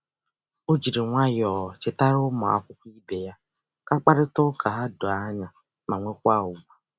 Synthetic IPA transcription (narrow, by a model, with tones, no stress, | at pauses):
o˦d͡ʒi˨ɾi˨ŋʷa˦jɔː˨t͡ʃɪ˨ta˦ɾʊ˦mɔ˨a̰˦kʷʊ˦kʷi˦be˨ja˦ | ka˦k͡pa˦ɾɪ˦tʊ˦ka˨ɦa˦do˨a˦ɲa˨ | ma˨ŋʷe˦kʷa˦˨ʊ˨ɡʷa˦˨